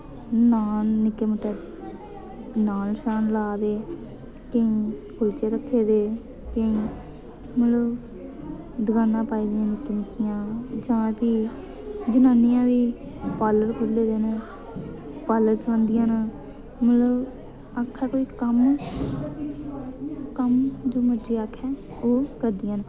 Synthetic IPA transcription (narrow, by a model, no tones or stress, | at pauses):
naːnːɪkːeːməʈːɛː | naːlʃaːnlaːd̪eː | kəĩːkʰʊlt͡ʃeːɾəkʰːeːd̪eː | kə̃ĩː | mələ | d̪əɡaːnãːpaːiːd̪jãːnɪkːeːnɪkːɪjãːd͡ʒãːpiː | d͡ʒənaːnːɪjãːʋiː | paːləɾkʰʊlːeːd̪eːnẽː | paːləɾsbə̃nd̪ɪjãːn | mələb | akʰːɛːkoːiːkəm | kəmd͡ʒ̪uːməd͡ʒiːaːkʰːɛː | oːkəɾd̪ɪjãːn